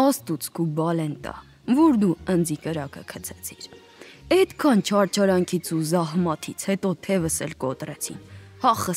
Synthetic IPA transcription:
ɑst̪ut͡sʰkubɑlɛnt̪ɑ̰ | vɔɾd̪uənd͡zikəɾɑkə̰kʰət͡sʰɛt͡sʰiɾ | ɛd̪kʰɑnt͡ʃʰɑɾt͡ʃʰɑɾɑŋkʰit͡sʰuzɑɦmɑt̪ʰit͡sʰhɛt̪ɔt̪ʰɛvəsɛ̰lkɔt̪rɛt͡sʰḭnhɑχə

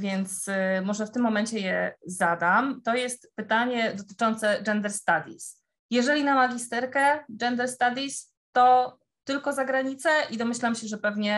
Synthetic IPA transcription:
vʲjɛnt̪smɔʐɛft̪ɘmːɔmɛɲt͡ɕɛjɛzad̪amt̪ɔjɛst̪pɘt̪aɲɛd̪ɔt̪ɘ̥t͡ʂɔnt̪sɛd͡ʐɛnd̪ɛɾst̪ad̪ʲḭs | jɛʐɛlʲinamaɡʲist̪ɛɾkɛɡɛnd̪ɛɾst̪ad̪ʲis | t̪ɔ | t̪ɘlkɔzaɡɾaɲit̪sɛʔid̪ɔmɘɕlamɕɛʐɛpɛvɲɛ

